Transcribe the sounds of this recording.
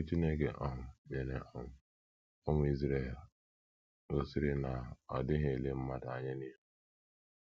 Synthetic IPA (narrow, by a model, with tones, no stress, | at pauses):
u˦t͡ʃi˦ne˦ɡe˨ʔɔ˦ɦʊ˨me˨ne˨ʔɔ˦ɦʷʊ˨ | ɔ˦ŋʷʊ˨i˦zɾe˨l | ɣɔ˨sɪ˦ɾɪ˦na˨ɔ̰˨dɪ˦ɦe˨le˦m̩˦ma˦da˨a˨ɲa˦ni˦ɦu˦